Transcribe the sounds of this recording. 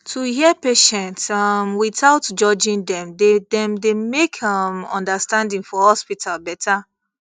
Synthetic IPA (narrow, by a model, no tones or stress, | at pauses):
tʰuhiəpeʃɛ̃ntsʌmwiθaʊtd͡ʒɔd͡ʒĩndɛ̃mdedɛ̃mdemekʰʌmɔ̰̃ndastãndĩŋfɔhɔspitʰalbɛta